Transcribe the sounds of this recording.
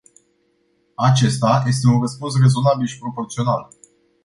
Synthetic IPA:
at͡ʃe̞st̪aje̞s̬t̪e̞unrəspuns̬re̞zo̞nabilʃi̥pɾo̞po̞rt̪sio̞nal

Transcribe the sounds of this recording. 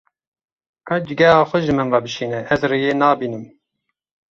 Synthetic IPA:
kʰɑd͡ʒɪɡɛɦɑːxʷɛʒɨmɨnvɑbɨʃiːnɛʔɛzrejeːnɑːbiːnɨm

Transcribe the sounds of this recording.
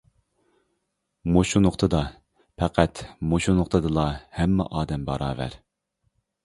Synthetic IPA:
moʃunʊχt̪ʰɨd̪ɑ | pʰɛqʰæt̪moʃunʊχt̪ʰɨd̪ɨlˠɑhɛmːɛ̰ʔɑːd̪ɛmbɑ̰ɾɑ̰ːvæ̰ɾ

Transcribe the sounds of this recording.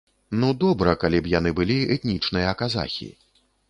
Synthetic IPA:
nud̪ɔbɾɐkalʲipjanɨbɨlʲiɛt̪ʲnʲit͡ʂnɨjɐːkaza̰xʲḭ

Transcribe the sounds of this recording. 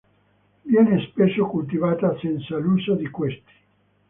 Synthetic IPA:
vjɛːnespesːokult̪̬ivaːt̪asɛnt̪salusad̪ikwest̪i̥

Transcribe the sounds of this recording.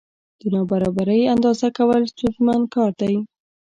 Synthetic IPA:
d̪̥ənɑbaɾɑbaɾəjand̪ɑzakawəlst̪uzmankɑɾd̪aj

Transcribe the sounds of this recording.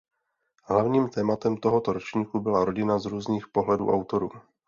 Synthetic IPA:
ɦlavɲiːmt̪ɛːmat̪ɛmt̪o̞ɦot̪oɾot͡ʃɲiːkubɪlaɾo̞ɟɪnazɾuːzniːxpo̞ɦlɛdṵːʔawt̪o̞ɾuː

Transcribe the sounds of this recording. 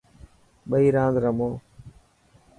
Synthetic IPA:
ɓəiːɾãːd̪ɾəmoː

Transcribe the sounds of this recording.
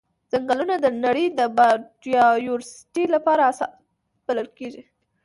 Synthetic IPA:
z̥aŋɡalunad̪ənaɽəjd̪əbaɖijɑjuɾsi̥ʈilapɑɾasɑ | b̥aləlkeʒi

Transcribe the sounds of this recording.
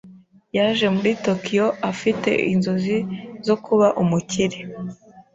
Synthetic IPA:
jaʒe̞muɾito̞kijo̞ʔafite̞̰ʔḭnzozizo̞kʰuβaʔumuciɾi

